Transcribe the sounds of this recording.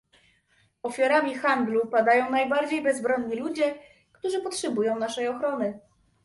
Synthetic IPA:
ɔfʲjaɾamʲixand̪lupad̪ajɔ̃w̃najbaɾd͡ʑejbɛzbɾɔnɲilud͡ʑɛ | kt̪uʐɘpɔtʂɛbujɔ̃w̃naʂɛjɔxɾɔnɘ

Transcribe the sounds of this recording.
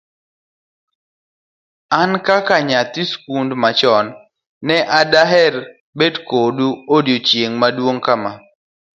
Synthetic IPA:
ankakaɲat̪iskundmat͡ʃɔnː | ɛʔadaɦɛɾ | bedkoduodjot͡ʃjeŋmadwoŋkama

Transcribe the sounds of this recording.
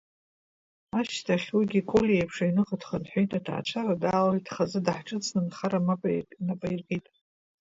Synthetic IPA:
aʃtʰaχʲwiɡʲikʼolijejpʰʂainɨqʼatʰχanħʷojtʼatʰa̰a̰t͡ʃʷʰaradaːlaltʰχazɨdħʈ͡ʂʼɨt͡sʰnɨnχaɾamanapʼajrqʲʼitʼ

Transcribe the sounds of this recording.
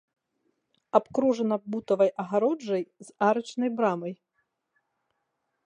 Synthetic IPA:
apkɾuʐɐnɐbut̪ɐvɐjʔɐɣaɾɔd͡ʐɐjz̥aɾɐt͡ʂnɐjbɾamɐj

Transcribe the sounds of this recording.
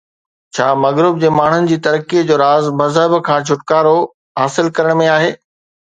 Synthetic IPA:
t͡ɕʰaːmɐɣɾɪb̚d͡ʑeːmaːɳ̤ʊnɪ̆d͡ʑiːt̪ɐɾkid͡ʑoːɾaːzmɐzɦəbkʰãːt͡ɕʰʊʈkaːɾo | ɦaːsɪlkɐɾəɽ̃mẽaːɦeː

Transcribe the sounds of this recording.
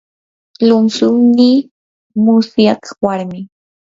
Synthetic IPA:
lʊmsʊŋnɪ | mʊsjaqwaɾmɪ

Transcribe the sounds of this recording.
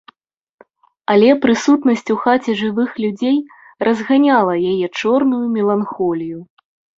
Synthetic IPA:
alʲɛpɾɨsut̪nɐsʲt͡sʲuxat͡sʲɛʐɨvɨxlʲud͡zʲej | rʔɐzɣanʲalˠɐjajɛt͡ʂɔrnujumʲɛlˠanxɔlʲiju

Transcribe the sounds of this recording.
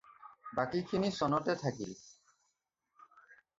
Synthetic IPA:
bakikʰinisɔnɔʈet̪ʰakḭl

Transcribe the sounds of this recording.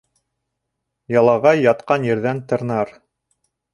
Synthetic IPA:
jɑlˠɑʁɑjːɑt̪qɑnjɘ̆ɾðænt̪ɤ̆ɾnɑɾ

